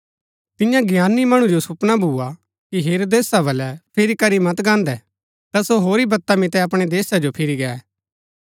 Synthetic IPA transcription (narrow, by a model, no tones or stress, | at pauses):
t̪ɪjãɡɪjaːnːimɐɽ̃ũd͡ʒosʊpnabʱuːa | kiɦeːɾod̪eːsabɐlɛpʰɪɾikɐɾimɐt̪ɡãːnd̪ɛ | t̪asoɦoːɾibɐt̪ːamɪt̪ɛɐpɽ̃ed̪eːsad͡ʒopʰɪɾiɡɛːɛ